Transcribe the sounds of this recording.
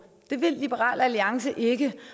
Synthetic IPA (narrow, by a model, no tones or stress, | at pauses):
d̥e̝ʋe̝lːib̥əʁɑ̰̈ːlæliɑ̈ŋsəʔe̝ɡ̥ə